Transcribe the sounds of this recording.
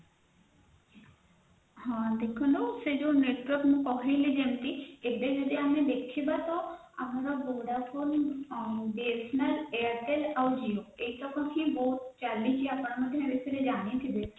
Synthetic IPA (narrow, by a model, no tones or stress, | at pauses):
ɦãd̪ekʰɔlosed͡ʒoneʈwəɾkmũkɔɦejled͡ʒemt̪iebed͡ʒɔd̪iamed̪ekʰibat̪ɔ | a̰maɾɔboɽafʰon | ɖesnəleəɾʈelawd͡ʒioeiʈʰɔkʰɔ̃kʰĩboɦut̪t͡ʃalit͡ʃʰiapɽ̃amad̪ʱjeamisiɾed͡ʒanit̪ʰibe